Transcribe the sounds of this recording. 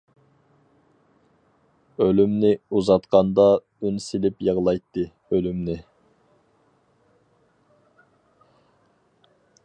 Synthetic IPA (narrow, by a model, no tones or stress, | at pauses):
ølymnɪuzɑt̪qʰɑnd̪ɑ | ynsɪlɪpjɑʁlˠɑjt̪ːɨ | ølymnɪ